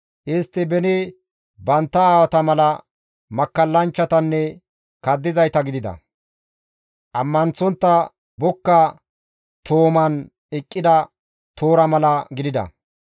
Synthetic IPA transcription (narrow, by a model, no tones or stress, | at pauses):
ʔɪst̪ːɪbɛnɛ | bɐnt̪ːɐaːwɐt̪ɐmɐlɐ | mɐkːɐlːɐnt͡ʃːɐt̪ɐnːɛ | kɐd̪ːɪzɐjt̪ɐɡɪd̪ɪd̪ɐ̰ | ʔɐmːɐnt͡sːɔnt̪ːɐ | bɔkːɐ | t̪oːmɐn | ɪkʼːɪd̪ɐ | t̪oːɾɐmɐlɐɡɪd̪ɪd̪ɐ̰